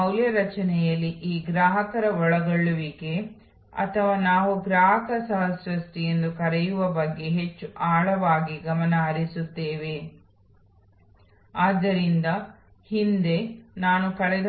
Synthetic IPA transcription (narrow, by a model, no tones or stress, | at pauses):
ɐwljɐɾɐt͡ʃɐnɛjɐlːiʔiːɡɾaːɦɐkɐɾɐɔɭɐɡɐɭːuʋiɡe̞ | ɐ̰t̪ʰɐʋaːnaːʋuɡɾaːɦɐkɐsɐɦɐsʋɐsʈije̞nd̪ukɐɾɛjuʋɐbɐɡːe̞ɦe̞t͡ʃːuʔaːɭɐʋaːɡiɡɐmɐnɐɐɾisut̪ːeːʋe̞ | aːd̪ːɐɾind̪ɐ | hind̪e̞naːnukɐɭɛd̪